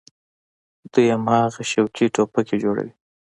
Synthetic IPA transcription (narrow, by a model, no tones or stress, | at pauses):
d̪̥ujamhɑɣaʃawkiʈopakʰed͡ʒoɽa̰wi